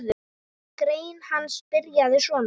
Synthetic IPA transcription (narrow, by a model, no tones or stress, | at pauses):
ð | kɾeːjnhanspɪɾjaðɪsvɔːn